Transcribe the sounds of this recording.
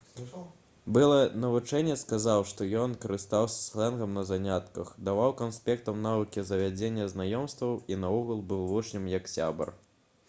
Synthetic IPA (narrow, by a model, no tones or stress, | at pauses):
bɨlˠɐnɐvut͡ʂɛnʲːɛskazawʂt̪ɔjɔnkɐɾɨst̪awsʲɐ̥slˠɛnɣɐmnɐzanʲat̪kɐxd̪avawkanspʲɛkt̪ɐmnavɨkʲizɐvʲad͡zʲenʲːɐznajɔmst̪vɐwinɐɔɣulˠbɨwvɔt͡ʂnʲɨmjɐksʲa̰bɐ̰r